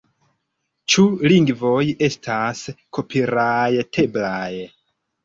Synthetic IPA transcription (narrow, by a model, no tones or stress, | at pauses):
t͡ʃuliŋɡvo̞je̞stʰaskʰo̞pʰiɾajtʰe̞blaj